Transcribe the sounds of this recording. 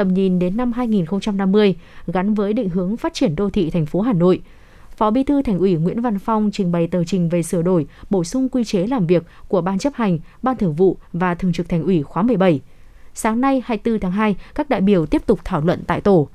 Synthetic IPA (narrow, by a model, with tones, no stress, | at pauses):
t̪ə˨˩mɲi˨˩nɗe˨˦nːa˧mɦaː˧jŋi˨˩nxə˧wŋ͡mt͡ɕa˧mna˧mːɨ˧əjɣa˨˦nvəː˨˦jɗḭ̈˧˨ŋ̟ɦɨ˨˦əŋfaː˦˥t̚t͡ɕi˧˩ənɗo˧t̪ʰḭ˧˨t̪ʰɛ˨˩jŋ̟fo˨˦ɦaː˨˩no̰˧˨j | fɔ˨˦ɓi˧˦t̪ʰɨ˧t̪ʰa˨˩jŋ̟ʔwi˧˩ŋwḭ˧˥ənva˧nfa˧wŋ͡mt͡ɕï˨˩ŋ̟ɓə˨˩jt̪əː˨˩t͡ɕï˨˩ŋ̟ve˨˩sɨ˧˩əɗo˧˩jɓo˧˩sʊ˧ŋ͡mkwi˧t͡ɕe˨˦laː˨˩mvi˨˩ək̚ːu˧˩əɓaː˧nt͡ɕə˦˥p̚ha˨˩jŋ̟ɓaː˧nt̪ʰɨ˧˩ŋvṵ˧˨vaː˨˩t̪ʰɨ˨˩əŋt͡ɕɨ˨˩k̚t̪ʰŋ̟ʔwi˧˩xwaː˨˦mɨ˧˩əjɓə˧˩j | saː˨˦ŋna˧jhaː˧jt̪ɨ˧t̪ʰaː˨˦ŋɦaː˧jkaː˦˥k̚ɗa̰ː˧˨jɓi˧˩əwt̪i˦˥əp̚t̪ʊ˨˩k͡p̚t̪ʰaː˧˩wlwə̰˧˨nt̪a̰ː˧˨jt̪o˧˩